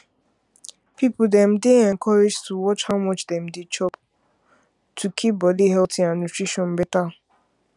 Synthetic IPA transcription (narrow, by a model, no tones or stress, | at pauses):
pipʊdɛ̃m̩dɪɛ̃ŋkʰɔɾed͡ʒtʰuwɔt͡ʃhawmɔt͡ʃdɛ̃m̩dɪt͡ʃɔb | tʰukʰip̚bɔliɦɛtĩanutɹiʃɔ̃n̩bɪta